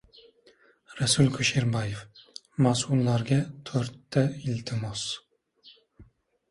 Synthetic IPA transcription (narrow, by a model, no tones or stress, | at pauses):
ɾasʊlkʰʊʃeɾbajef | masulˠːaɾɡʲat̪ʰɵɾt̪ʰːaɪlt̪ʰɪmos